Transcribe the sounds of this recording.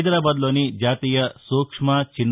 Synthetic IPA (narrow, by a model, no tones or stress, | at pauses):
d̪ɾaːbaːd̪loːnid͡ʒaːt̪iːjɐsuːkʂmɐt͡ʃinː